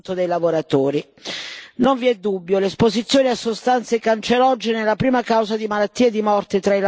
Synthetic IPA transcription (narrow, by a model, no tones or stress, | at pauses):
t̪od̪ejlavoɾat̪oːɾi | noɱviɛd̪ːubːjolespozit̪sːjoːniasːost̪ant̪sekant͡ʃeɾɔd͡ʒːenelːapɾiːmakawzad̪imalat̪ːiːed̪imɔrt̪et̪ɾail